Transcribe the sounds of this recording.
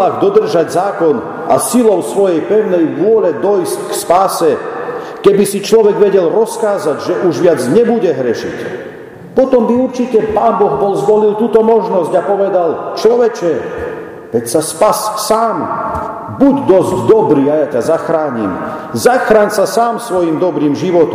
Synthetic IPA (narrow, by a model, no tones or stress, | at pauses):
aɣd̪ɔd̪r̩ʒaɟzaːkɔn | a̰silɔʊsʋɔjɛjpɛʊnɛjʋʊɔlɛd̪ɔjsckspaːsɛ | kɛbisit͡ʃlɔʋɛɡʋɛɟɛlɾɔskaːzaɟʒɛʔuʒʋɪad͡zɲɛbuɟɛɦɾɛʃḭc | pɔt̪ɔmbiuɾt͡ʃicɛpaːnbɔɣbɔlzʋɔlilˠt̪uːt̪ɔmɔʒnɔzɟapɔʋɛd̪alt͡ʃlɔʋɛt͡ʃɛ | ʋɛcsaspassaːm | buɟd̪ɔzɟd̪ɔbɾiːajacazaxɾaːɲḭm | zaxɾaːnsasaːmsʋɔjimd̪ɔbɾiːmʒiʋɔt̪ɔm